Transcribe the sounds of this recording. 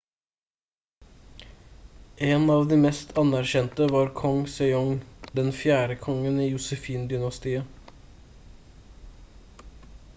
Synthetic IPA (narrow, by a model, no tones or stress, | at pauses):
ʔeːnɑːʋd̪iːmɛst̪ʰɑnæɾçɛnt̪əʋɑːɾkʰɔŋsœʏɔŋd̪ɛnfjæːɾəkʰɔŋəniːjʊsəfiːnd̪ʏnɑst̪iːə